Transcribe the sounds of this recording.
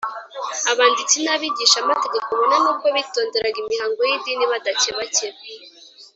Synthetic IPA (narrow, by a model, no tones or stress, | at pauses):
aβaːndit͡sinaβiɟiːʃamate̞ɡe̞koβonanub̚ɡoβito̞ːnde̞ɾaɡimihaːŋɡo̞jidiːniβadaceβaceβ